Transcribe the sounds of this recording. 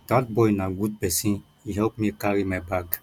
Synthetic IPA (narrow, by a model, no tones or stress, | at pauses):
d̥at̚bɔjnaɡud̚bɛsĩ | iɦɛpmiekaɾimɛbaɡ